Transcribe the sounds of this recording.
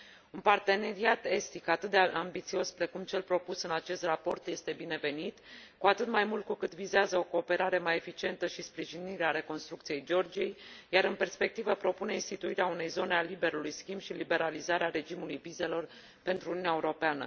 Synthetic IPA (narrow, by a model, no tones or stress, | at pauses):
unpart̪e̞ne̞ɾiat̪e̞st̪ikat̪ɨt̪̚d̪eambit̪sio̞spɾe̞kumt͡ʃe̞lpɾo̞pusɨnat͡ʃe̞st̪rapo̞rt̪je̞st̪e̞bine̞ve̞nit̪kuat̪ɨt̪majmult̪̚kukɨt̪vizeazəo̞ko̞ːpe̞ɾaɾe̞maje̞fit͡ʃie̞nt̪əʃispɾiʒiniɾeaɾe̞ko̞nst̪ɾukt̪sije̞jd͡ʒeo̞rd͡ʒije̞jjaɾɨnpe̞rspe̞k̚t̪ivəpɾo̞pune̞inst̪it̪uiɾeaune̞jzo̞nealibe̞ɾulujskʲimbʃilibe̞ɾalizaɾeaɾe̞d͡ʒimulujvize̞lo̞r | pe̞nt̪ɾuːniunʲaeuɾo̞peanə̰